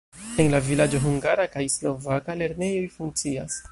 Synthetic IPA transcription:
enlavilad͡ʒo̞ɦuŋɡaɾakajslo̞vakale̞ɾne̞jo̞jfuŋk̚t͡sias

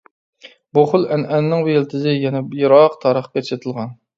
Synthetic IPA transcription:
buχʊlˠɛnɛnːɪŋbujelt̪ʰɪzɪjɛnɛjoɾɑqt̪ʰɑːɾəχkʲet͡ʃʃet̪ʰɨlˠʁɑn

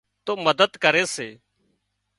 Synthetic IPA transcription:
t̪oːməd̪əd̪kəɾeːseː

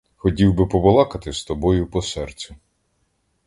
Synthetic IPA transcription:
xɔtʲiwbɪpɔʋɔlˠɑkɐt̪ɪst̪ɔbɔjʊpɔsɛrt͡sʲɛ

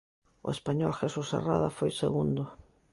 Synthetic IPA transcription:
ʊ̰espaɲɔlxesusa̰raðafojseɣund̪ʊ

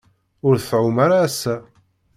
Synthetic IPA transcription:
ʊɾθθʕʊmaɾaːsːæ

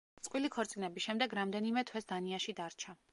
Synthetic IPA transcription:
t̪sʼqʼwilikʰɔɾt̪sʼinɛbiʃɛmd̪ɛɡɾamd̪ɛnimɛt̪ʰwɛsd̪aniaʃid̪aɾt͡ʃʰa

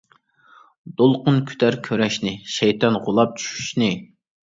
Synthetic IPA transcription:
d̪olˠqʊnkʲʰy̥t̪ʰæɾkʲʰøɾɛʃnɪʃɛjt̪ɑnʁʊlˠɑp̚t͡ʃʰy̥ʃy̥ʃnɪ

